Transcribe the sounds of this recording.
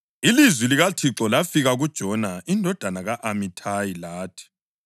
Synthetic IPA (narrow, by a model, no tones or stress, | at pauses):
ilizwiliɣatʰiǁɔlafiɣaɣud̥ʒ̥ʱɔnaindʱɔd̥ʱanaɣaʔamitʰajilaːtʰi̥